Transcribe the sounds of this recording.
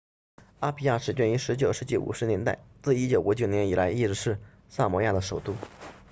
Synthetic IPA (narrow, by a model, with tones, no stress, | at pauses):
a˥pʰi˧˥ja˥˩ʂɻ̩˨˩t͡ɕɥɛ˥˩ni˧˥ʂɻ̩˧˥t͡ɕjo˨˩ʊʂɻ̩˧˥t͡ɕḭ˧˥˩ʔṵ˨˩ʂɻ̩˧˥njɛ˧˥nt̪a˥˧ɪt͡sɹ̩˥˩i˥t͡ɕjo˨˩ʊʔu˧˥t͡ɕjo˨˩ʊnjɛ˧˥ni˨˩lʔa˧˥ɪi˥˧ʈ͡ʂɻ̩˧ʂɻ̩˥˧ | sa˥˩mɔ˧˥ja˥˩d̪ə˩ʂo˨˩ʊt̪u˥˩